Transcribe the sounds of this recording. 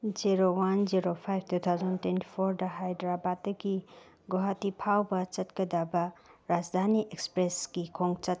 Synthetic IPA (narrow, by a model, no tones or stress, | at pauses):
d͡ʒiɾowand͡ʒiɾopʰajb̚tʰut̪ʰawzɐntwenti̥pʰoɾdɐɦajdɾabatdɐɡi | ɡoɦatipʰawbɐt͡ʃɐtkɐdabɐɾad͡ʒd̪ʱaniʔekspɾesɡikʰoŋt͡ʃɐt̚